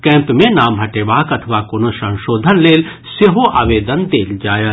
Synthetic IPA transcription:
kɛ̃ːmpmẽnaːmɦɐʈeːʋaːkɐt̪ʰəʋakoːnosɐ̃ŋʃoːd̪ʱənleːl | seɦoʔa̰ːʋeːd̪ənd̪eːld͡ʒaːja

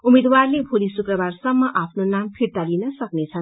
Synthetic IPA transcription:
umed̪warlebʱolisukrʌbarsʌmːʌʔapʰnonampʰiɾt̪alinʌsʌknet͡sʰʌn

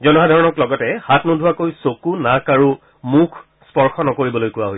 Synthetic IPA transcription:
zɔnɔɦadʱɔɹɔnɔklɔɡɔtɛhatʰnudʱuwakojsokunakaɹu | mukʰ | spɔɹxɔnɔkoɹibɔlojkʊwaɦoj

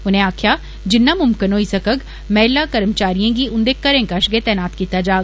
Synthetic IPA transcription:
ʊnẽːaːkʰjaː | d͡ʒɪnːaːmʊmkɪnoːisəkəɡ | mɛːlːaːkəɾəmt͡ʃaːɾijãːɡiːʔʊnd̪eːkəɾẽːkaʃɡet̪ɛːnaːt̪kiːt̪ad͡ʒaːɡ

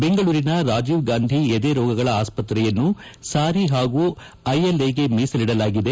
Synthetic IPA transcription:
beŋɡɐɭuːɾinɐɾaːd͡ʒiːʋɡaːnd̪ʱied̪eɾɔːɡɐɡɐɭɐaːspɐt̪ɾɛjɐnːu | saːɾiɦaːɡu | ɐjɐleːɡe̞miːsɐliɽɐlaːɡid̪e̞

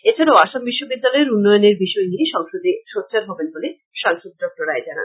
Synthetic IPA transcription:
et͡ɕʰaɾaoaʃambiʃːobid̪ːalɔeɾunːɔjoneɾbiʃɔenijʃɔŋʃod̪ʱeʃotːt͡ɕaɾɦɔbenbole | ʃaŋʃod̪̚dɔk̚ʈoɾaed͡ʑana̰n

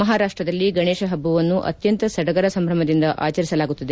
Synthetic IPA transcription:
mɐɦaːɾaːʂʈɾɐd̪ɐlːiɡɐɳeːʃɐɦɐbːɐʋɐnːuʔɐ̰t̪jɐnt̪ɐsɐɖɐɡɐɾɐsɐmbʱɾɐmɐd̪ind̪ɐʔʔa̰ːt͡ʃɐɾisɐlaːɡut̪ːɐd̪e

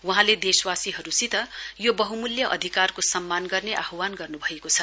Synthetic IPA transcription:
wuɦãled̪eswasiɦʌɾusit̪ʌjobʌɦumuljʌʔʌd̪ʱikarkosʌmːanɡʌrneʔaɦwanɡʌrnubʱʌekot͡sʰʌ

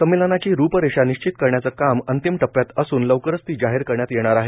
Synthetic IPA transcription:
səmːilənat͡ɕiːɾupəɾeɕaniɕt͡ɕit̪kəɾɳjat͡səkamənt̪imʈəpːjat̪əsuːnləʋkəɾəst̪iːd͡ʑaɦeɾkəɾɳjat̪jeɽ̃aɾaɦe

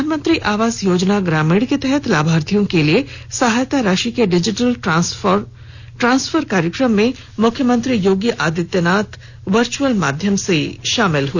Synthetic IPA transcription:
aːnmə̃nt̪ɾiʔaːʋaːzjoːd͡ʒnaɡɾaːmeɽket̪ɛɦɛt̪laːbʱaːɾt̪ʰijõkeliesɐɦaːjt̪aɾaːʃikeɖɪd͡ʒɪʈəl | ʈɾãːnsfʰəɾkaːɾjəkɾəmːẽ | mʊkʰːjəmə̃nt̪ɾijoːɡjəʔaːd̪ɪt̪jənaːt̪ | ʋɐɾt͡ʃuəlma̰ːd̪ʱjəmseʃaːmɪlɦue

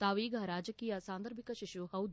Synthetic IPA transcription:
t̪aːʋiːɡʱɐɾaːd͡ʒɐkiːjɐsaːnd̪ɐɾbʱikɐʃiʃuɦɐwd̪

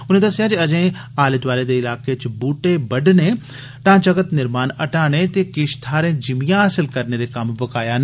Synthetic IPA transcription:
ʊnẽd̪ɐsɪjaːd͡ʒiɐd͡ʒẽː | aːlɪt̪ʋaːled̪eɪlaːket͡ʃbuːʈebɐɖne | ʈãːt͡ʃəɡət̪nɪɾmaːnɐʈaːɽ̃et̪ekɪʃt̪ʰaːɾẽːd͡ʒɪmijãaːsɪlkɐɾned̪ekɐmbɐkaːjaːn

